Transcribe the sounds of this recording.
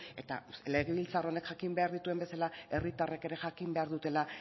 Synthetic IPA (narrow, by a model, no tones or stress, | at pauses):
e̞t̪a̰le̞ɣ̞eβilt͡saro̞ne̞kʝakimbe̞aɾðit̪ue̞mbe̞salae̞rit̪areke̞ɾe̞ʝakimbe̞aɾðut̪e̞la